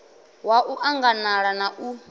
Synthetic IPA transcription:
waʔuʔaŋɡanaɺanaʔu

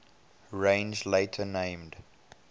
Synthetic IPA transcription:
ɹẽɪ̃nzleɪtʰənẽɪ̃md

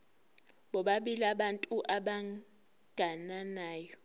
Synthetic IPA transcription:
ɓɔɓaɓilaɓantʼuʔaɓa | ɡ̥ʱananaːjɔ

